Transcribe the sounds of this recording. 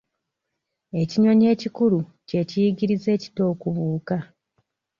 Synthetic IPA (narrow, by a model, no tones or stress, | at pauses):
e̞ciɲo̞ɲe̞ːcikuluce̞cijiɟiɾize̞ːci̥to̞ːkuβuːka